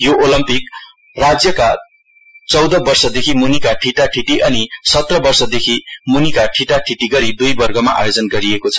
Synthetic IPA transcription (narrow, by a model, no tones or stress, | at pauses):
joʔolʌmpik | rad͡zjʌka | t͡sʌwd̪ʌbʌrsʌd̪ekʰimunikaʈʰiʈaʈʰiʈiʔʌnisʌt̪rʌbʌrsʌd̪ekʰimunikaʈʰiʈaʈʰiʈiɡʌɾid̪ujbʌrɡʌmaʔa̰jod͡zʌnɡʌɾiekot͡sʰʌ̥